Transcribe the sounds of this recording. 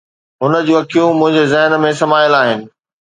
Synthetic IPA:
ɦʊnə̆d͡ʑuːɐkʰijũmʊ̃ɦɪ̃ɲd͡ʑezɛɦnmẽsɐmaːɪlaːɦɪnɪ̆

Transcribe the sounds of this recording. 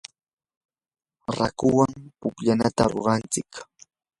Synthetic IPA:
ɾakʊwaŋpʊkʎanat̪aɾo̰ɾɑnt͡sɪk

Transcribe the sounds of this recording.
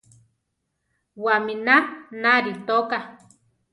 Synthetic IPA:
waminanaɾit̪oka

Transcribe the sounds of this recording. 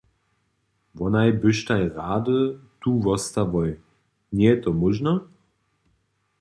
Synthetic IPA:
vɔnajbɪʃtajʁaːdətuːvɔst̪avɔj | nɛtɔmʊʒna

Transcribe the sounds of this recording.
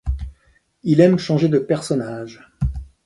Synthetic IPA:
ilɛmʃɑ̃ʒed̪əpɛʁsɔnaːʒ

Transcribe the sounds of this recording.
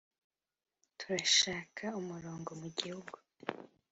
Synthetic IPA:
tʰuɾaʃaːkʰaumuɾo̞ːŋɡo̞muɟihuɡu

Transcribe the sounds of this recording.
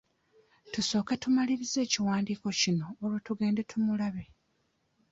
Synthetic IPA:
tuso̞ːkatumaliɾize̞ːciwaːndiːko̞cino̞ːɾwatuɡe̞ːndetʰumulaβe̞

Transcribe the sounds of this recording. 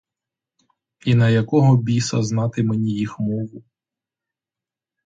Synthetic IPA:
inɐjɐkɔɦɔbʲisɐznɑt̪ɪmenʲijixmɔʋʊ

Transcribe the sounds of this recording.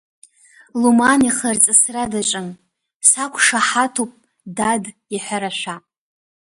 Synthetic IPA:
lumaniχərt͡sʼɨsradaʈ͡ʂʼɨn | sakʷʰʼʂaħatʰupʼ | dad | iħʷaɾaʃʷᶣa

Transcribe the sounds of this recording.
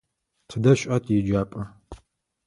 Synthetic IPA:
tʰɨdɐɕʷʼʔɐtʰjid͡ʒaːpʼɐ

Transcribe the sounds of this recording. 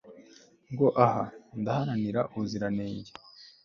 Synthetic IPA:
ŋɡo̞ʔahandahaɾaniɾaʔuziɾaneːɲɟe

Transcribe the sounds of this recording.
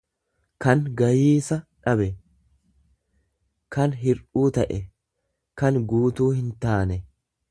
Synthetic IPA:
kɐŋɡɐjiːsɐᶑɐbɛ | kɐnɦɪɾuːt̪ɐʔɛ | kɐnɡuːt̪uːhɪnt̪aːnɛ

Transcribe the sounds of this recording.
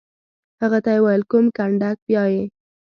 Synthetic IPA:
haɣat̪ajewajlkʊmkaɳɖak̚bjɑje

